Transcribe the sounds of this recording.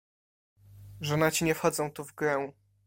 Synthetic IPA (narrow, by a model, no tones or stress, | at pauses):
ʐɔnat͡ɕiɲɛfxɔd̪zɔ̃w̃t̪uvɡɾɛw̃